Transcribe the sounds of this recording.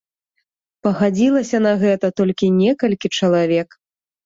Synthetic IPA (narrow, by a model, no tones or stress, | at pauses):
pɐɣad͡zʲilˠɐsʲɐnɐɣɛt̪ɐt̪ɔlʲkʲinʲɛkɐlʲkʲit͡ʂɐlˠavʲɛk